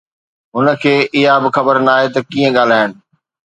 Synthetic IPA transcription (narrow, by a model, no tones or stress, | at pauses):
ɦʊnə̆kʰeːʔɪɦabɪxɐbəɾnaːɦet̪ɐkĩːə̃ɠaːl̤aːɦɪnɪ̆